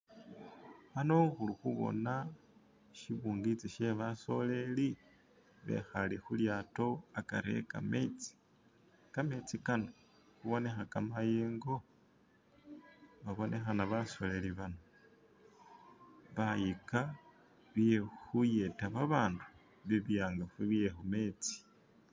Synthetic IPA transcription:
βanoxulixuβo̞̰na | ʃiβuːŋɡit͡siʃe̞βaso̞le̞li | βe̞̰xalixuljaːto̞akaɾe̞̰ka̰met͡si̥ | kame̞t͡sikano | xuβo̞ne̞xakamajeːŋɡo̞ | βaβo̞nʔe̞xanaβaso̞le̞liβano | βajika | βije̞xuje̞taβaβaːndu | βiβjaːŋɡafuβijexume̞t͡si̥

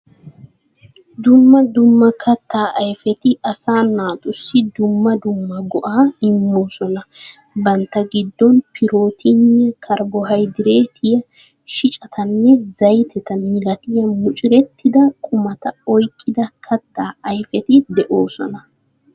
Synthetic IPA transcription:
d̪ʊmːɐd̪ʊmːɐkʰɐt̪ːaːʔɐjfɛt̪ɪʔɐsaːnaːt̪ʼʊsːɪd̪ʊmːɐd̪ʊmːɐɡɔʔaːɪmːoːsɔnɐ | bɐnt̪ːɐɡɪd̪ːɔnpʰɪɾo̞ːt̪ʰɪnːɛkʰɐɾbɔɦɐjd̪ɪɾeːt̪ʰɪjɐ | ʃɪt͡ʃʼɐt̪ʰɐnːɛzɐjt̪ʰɛt̪ɐmɪlɐt̪ɪjɐmʊt͡ʃʼɪɾɛt̪ːɪd̪ɐkʼʊmɐt̪ɐɔjkʼːɪd̪ɐkʰɐt̪ːaːʔɐjfɛt̪ɪd̪ɛʔoːsɔnɐ

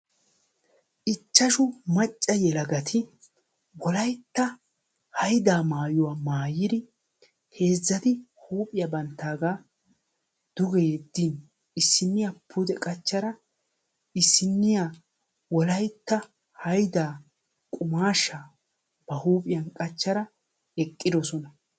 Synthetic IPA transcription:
ʔɪt͡ʃːɐʃʊmɐt͡ʃʼːɐjɛlɐɡɐt̪ʰɪ | wɔlɐjt̪ːɐ | hɐjd̪aːmaːjʊwamaːjɪd̪ɪ | he̞ːzːɐt̪ɪhuːpʼɪjɐbɐnt̪ːaːɡaː | d̪̥ʊɡɛjɛd̪ːin | ɪsːɪnːɪjapʰʊd̪ɛkʼɐt͡ʃːɐɾɐ | ɪsːɪnːɪja | wɔlɐjt̪ːɐ | hɐjd̪aː | kʼʊmaːʃaː | b̥ɐhuːpʼɪjɐnkʼɐt͡ʃːɐɾɐ | ɛkʼːɪd̪ɔsɔnɐ

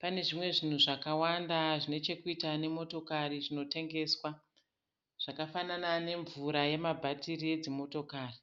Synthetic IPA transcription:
pane̞ʐimwe̞ʐin̤uʐakawandaʐine̞t͡ʃe̞kuitane̞mo̞to̞kariʐino̞te̞ŋɡe̞ːswa | ʐ̥akafananane̞ɱvuɾaje̞mabʱatiɾie̞d͡zimo̞to̞kaːri

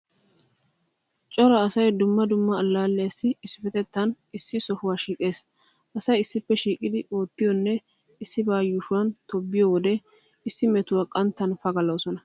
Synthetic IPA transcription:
t͡ʃʼɔɾɐːsɐjd̪ʊmːɐd̪ʊmːɐːlːaːlːɛjsːɪɪsːɪfɛt̪ɛt̪ːɐn | ɪsːɪsɔhʊwaːʃiːkʼe̞ːs | ʔɐsɐjɪsːɪpːɛʃiːkʼɪd̪ɪo̞ːt̪ːɪjɔnːɛ | ɪsːɪbaːjʊʃʊwɐnt̪ɔbːɪjɔwɔd̪ɛ | ɪsːɪmɛt̪ʊwaːkʼɐnt̪ːɐnfɐɡɐloːsɔnɐ

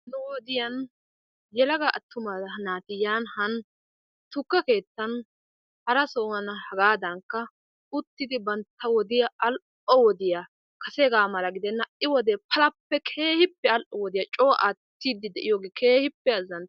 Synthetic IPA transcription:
nɛwɔd̪ɪjɐn | jɛlɐɡɐʔɐt̪ːʊmɐnaːt̪ɪjaːnhɐn | t̪ʊkːɐke̞ːt̪ːɐn | hɐɾɐsoːŋɐnɐhɐɡaːd̪ɐŋkːɐ | ʊt̪ːɪd̪ɪbɐnt̪ːɐwɔd̪ɪjɐɐl | ɔwɔd̪ɪjɐ | kʰɐsɛɡaːmɐlɐɡɪd̪ɛnːɐɪwɔd̪ɛpʰɐlɐpːɛkʰe̞ːhɪpːɛɐlʔɔwɔd̪ɪjɐt͡ʃʼo̞ːʔat̪ːid̪ːɪd̪ɛʔɪjoːɡekʰeːhɪpːɛɐzːɐn

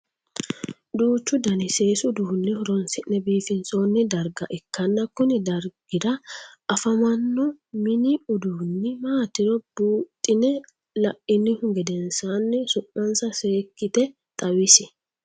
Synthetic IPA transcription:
d̪uːt͡ʃːʊd̪ɐnɪse̞ːsʊd̪uːnːɪhɔɾɔnsɪʔnɛbiːfɪnso̞ːnːɪd̪ɐɾɡɐʔɛkːɐnːɐkʊnɪd̪ɐɾɡɪd̪ɐʔɐfɐmɐnːɔmɪnɪʊd̪uːnːɪmaːt̪ɪɾɔb̥uːt̪ʼːɪnɛ | lɐʔɪnːɪhʊŋɡɛd̪ɛnsaːnːɪsʊʔːɐnsɐseːkːɪt̪ɛ | t̪ʼɐwɪsɪ

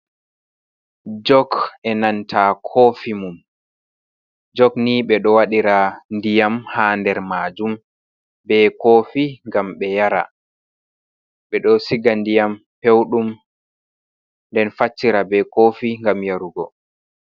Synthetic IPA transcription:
d͡ʒɔɡɛnantʰakʰoːfimum | d͡ʒɔɡniɓɛɗɔwaɗiɾandijamhaːndɛɾmaːd͡ʒum | bɛkoːfiŋɡamɓɛjaɾa̰ | ɓɛɗɔsiɡandijam | pewɗum | ndɛnfat͡ʃːiɾabɛkoːfiŋɡamjaɾuɡɔ̰

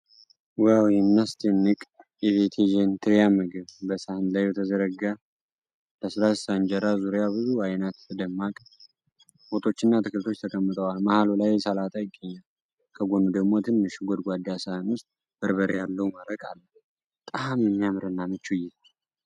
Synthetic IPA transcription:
wawjɛmnast̪ʰenːɨkʼ | ɛvet̪ʰed͡ʒɛnt̪ʰɨɾjamɨɡɨβbəsahɨnlajwɛt̪ʰəzəɾəɡa | ləslassand͡ʒəɾazuɾjabɨzuajnat̪ʰd̪əmːakʼ | ho̞t̪ʰo̞t͡ʃːɨnːat̪ʰɨkɨlt̪ʰo̞t͡ʃːt̪ʰəkʰʼəmːɨt̪ʼəwalmahalolajsalat̪ʰajɪɡːəɲːal | kʰəɡʷonud̪əɡmo̞t̪ʰɨnːɨʃɡʷod̪ɡʷad̪jasahɨnwʊst̪ʼ | b̥əɾbəɾejalːəwuməɾəkʼalːə | bət̪ʼamjɛmːijamɾɨnːamɨt͡ʃːujɛ

